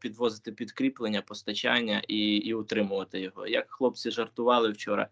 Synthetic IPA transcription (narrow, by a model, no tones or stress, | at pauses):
pʲid̪ʋɔzɪt̪ɪpʲid̪kɾʲiplˠenʲːɐpɔst̪ɐt͡ʃanʲːɐ̰ʔiːʊt̪ɾɪmʊʋɐt̪ɪjɔɦɔ̰jɐkxlˠɔp̚t͡sʲiʒɐrt̪ʊʋɑlˠɪwt͡ʃɔɾɐ̰